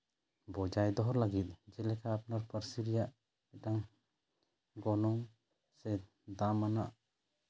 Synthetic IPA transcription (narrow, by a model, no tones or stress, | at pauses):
bɔd͡ʒajd̪ɔɦɔɾlaɡit̪̚ˀd͡ʒɛlɛkʰaːpnaɾpəɾsiɾijaʔ | ɛʈaŋ | ɡɔnɔŋ | sɛ | d̪amːanaʔ